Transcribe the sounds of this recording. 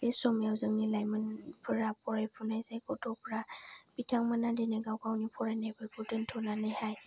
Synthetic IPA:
esɔmjawzɯŋnilajmɯnpʰɯɾapʰɔɾajpʰunajsajkɔtʰɔpʰɾapitʰaŋmənadenɯɡawkawnipʰɔɾajnajbɯɾpʰutɯntʰɔnanɯjhaj

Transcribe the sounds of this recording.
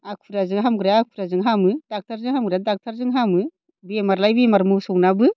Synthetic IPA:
akʰuɾazɯŋɦamɡɯɾaakʰuɾazɯŋɦamɯdak̚tʰaɾzɯŋɦamɡɯɾadak̚tʰaɾzɯŋɦamɯ | bimaɾlajbimaɾmɯsɔwnabɯ

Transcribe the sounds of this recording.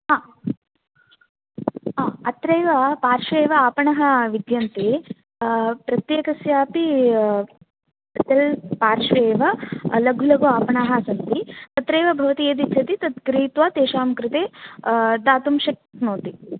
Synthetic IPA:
ɦaː | aːɐt̪ɾɐjʋɐpaːɾʂʋeːʋɐaːpɐɳɐɦɐʋid̪jɐnt̪eː | pɾɐt̪jeːkɐsjaːpi | ɐt̪ɐlpaːɾʂʋeːʋɐlɐɡʱulɐɡuaːpɐɳaːɦɐsɐnd̪it̪ɐt̪ɾeːʋɐbʱɐʋɐt̪ied̪itʰɐt̪it̪ɐt̪̚kɾiːt̪ʋaːt̪eːʃaːmkɾɪt̪eː | d̪aːt̪umʃɐk̚noːt̪i

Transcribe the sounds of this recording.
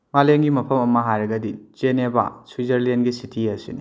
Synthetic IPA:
maleŋɡimɐpʰɐmɐmːɐɦajɾɐɡɐdid͡ʒeneba̰swizɐɾlenɡisitʰiɐsini

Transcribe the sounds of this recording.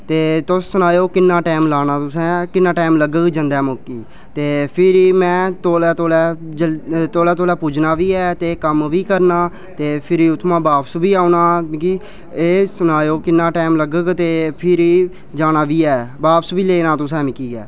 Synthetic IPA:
t̪eːt̪ʊsːʊnaːjoːkɪnːaːʈaːmlaːnaːt̪ʊsɛ̃ːkɪnːaːʈaːmləɡəɡd͡ʒənd̪ɛːmoːkːiː | t̪eːpʰɪɾiːmɛ̃ːt̪oːlɛːt̪oːlɛːd͡ʒət̪oːlɛːt̪oːlɛːpuːd͡ʒnaːʋiːɛːt̪eːkəmʋiːkəɾnaː | t̪eːpʰɪɾiːʊt̪ʰmãːbaːpsbiːaːunãːkiː | eːsʊnaːjoːkɪnːaːʈaːmləɡəɡt̪eːpʰɪɾiː | d͡ʒaːnaːʋiːɛːbaːpsʋiːleːnãːt̪ʊsɛ̃ːmɪkiːɛ̰ː

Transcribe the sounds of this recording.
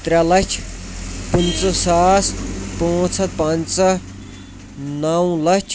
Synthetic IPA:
t̪ɾʲalɐt͡ʃʰpunt͡sɐsaːspõːt͡sʰɐt̪̚pɐnt͡sɐ | nɐwlɐt͡ʃʰ

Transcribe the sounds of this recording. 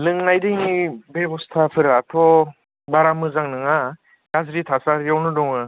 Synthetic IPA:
lɯŋnajdɯjnibebɔstʰapʰɯɾatʰɔ | baɾamɯzaŋnɯŋa | ɡ̥azɾitʰasaɾjawnɯdɔŋɯ

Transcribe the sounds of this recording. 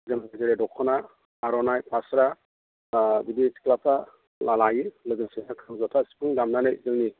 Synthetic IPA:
zamazeɾedɔkʰɔnaː | ɾɔnajpʰasɾa | biditʰi̥klapʰa | lalajilɯɡɯsenakʰɯŋzɔtʰasi̥pʰuŋdamnanajzɯŋni

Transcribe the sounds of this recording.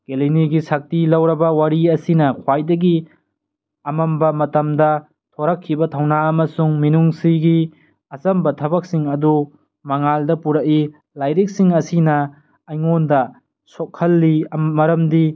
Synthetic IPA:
ɡ̥eliniɡisak̚tilɐwɾɐbɐwɐɾiɐsinɐkʰwajdɐɡi | ɐmɐmbɐmɐtɐmdɐ | tʰoɾɐkʰːibɐtʰɐwnaɐmɐsuŋminuŋsiɡi | ɐsɐmbɐtʰɐbɐk̚siŋɐdu | mɐŋaldɐpuɾɐk̚i | lajɾik̚siŋɐsinɐ | ɐjŋondɐ | sokʰːɐlːimɐɾɐmdi

